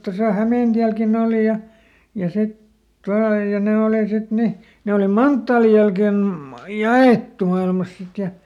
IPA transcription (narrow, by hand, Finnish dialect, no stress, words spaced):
tosɑ hæmeˑntiælkin oˑli jɑ jɑ sit tuɑl jɑ ne oˑli sit ni ne oli mɑntːɑːlij̆ jælken jɑeˑtːu mɑilmɑs sit jɑ